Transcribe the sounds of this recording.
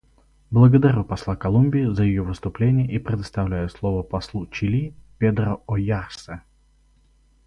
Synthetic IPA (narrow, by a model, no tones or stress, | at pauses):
blˠəɡəd̪ɐɾʲupɐslˠakɐlˠumʲbʲɪɪzəjɪjovɨst̪ʊplʲenʲɪjəʔipɾʲɪd̪əst̪ɐvlʲæjʊslˠovəpɐslˠut͡ɕɪlʲipʲed̪ɾəojarsə